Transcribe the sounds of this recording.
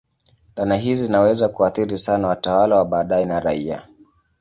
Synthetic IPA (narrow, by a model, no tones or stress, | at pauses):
ɗanaɦizizinawɛzakuaθiɾisanawatawalawaɓaːɗaɛnaɾaia̰